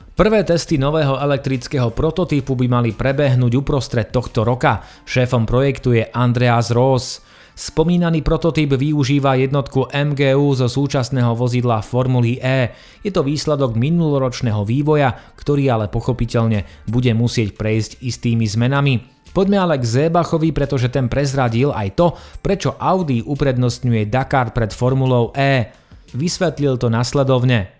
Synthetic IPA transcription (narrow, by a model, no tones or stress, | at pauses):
pr̩ʋɛːt̪ɛst̪inɔʋɛːɦɔɛlɛk̚t̪ɾit͡skɛːɦɔpɾɔt̪ɔt̪ipubimalipɾɛbɛɦnuːɟupɾɔst̪ɾɛt̪ːɔxt̪ɔɾɔka | ʃɛːfɔmpɾɔjɛkt̪ujɛʔand̪ɾɛazɾɔːs | spɔmiːnaniːpɾɔt̪ɔt̪ibʋiuʒiːʋajɛd̪nɔt̪kuʔɛmɡɛːuːzɔsuːt͡ʃasnɛːɦɔʋɔzid̪lafɔɾmuliʔɛː | jɛt̪ɔʋiːslɛd̪ɔɡminulɔɾɔt͡ʃnɛːɦɔʋiːʋɔjakt̪ɔɾiːalɛpɔxɔpicɛʎɲɛ | buɟɛmusɪɛcpɾɛjzɟist̪iːmizmɛnami | pɔɟmɛalɛɡzɛːbaxɔʋipɾɛt̪ɔʒɛt̪ɛnpɾɛzɾaɟila̰jt̪ɔpɾɛt͡ʃɔʔaʊd̪iupɾɛd̪nɔst̪ɲujɛd̪akaɾt̪̚pɾɛt̪fɔɾmulɔʊʔɛː | ʋisʋɛt̪lilt̪ɔnaslɛd̪ɔʊɲɛ